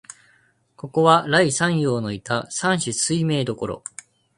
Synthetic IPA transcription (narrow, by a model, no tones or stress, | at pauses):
ko̞ko̞βaɾaisãɰ̃jo̞ːno̞it̪asãɰ̃ɕisɨime̞ːd̪o̞ko̞ɾo̞̰